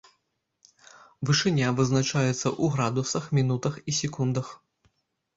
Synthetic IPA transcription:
vɨʂɨnʲavɨznat͡ʂajɛt̪sːɐ̰ʔuɣɾad̪usɐxmʲinut̪ɐxisʲɛkund̪ɐx

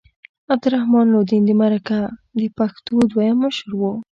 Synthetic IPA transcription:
ab̚d̪ʊɾahmɑnloɾd̪ind̪əmaɾakad̪əpaxt̪od̪wajaməʃɾwo

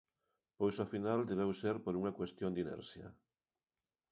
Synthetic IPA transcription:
pojsofinald̪eβ̞ewseɾpoɾuŋakwest̪jõnd̪inḛɾsjɐ̰

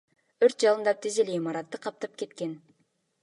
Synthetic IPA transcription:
øɾt̪̚d͡ʒɑlˠɯnd̪ɑp̚t̪ʰezeleimɑɾɑt̪ːɯqʰɑp̚t̪ɑp̚ke̞t̪ke̞n

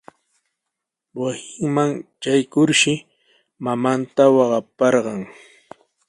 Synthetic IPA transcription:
wasɪŋmaŋt͡ʃajkʊɾʃɪ | mamant̪awɑɢɑpɑɾɢɑŋ

